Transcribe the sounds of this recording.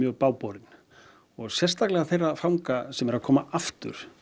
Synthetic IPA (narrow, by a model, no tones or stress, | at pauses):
jœːɣpaːwpɔwɾɪt̪n̥ | ɔɣsjɛ̥st̪aklɛɣaθejrːafawŋkasɛmɛɾaðkʰɔːmaʔaft̪ʏ̰ɾ̥